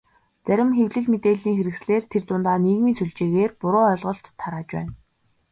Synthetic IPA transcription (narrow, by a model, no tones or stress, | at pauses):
t͡sæɾʲɪ̆mxewɮɘ̆ɮmet̪eːɮiːŋxeɾɘ̆ksɮeːrt̪ʰert̪ʊnt̪aːniːɣmiːnsuɮt͡ɕeːɣeːrpʊɾʊːœɮʁɞ̆ɬt̪ʰːaɾaːt͡ɕpæ̰ːn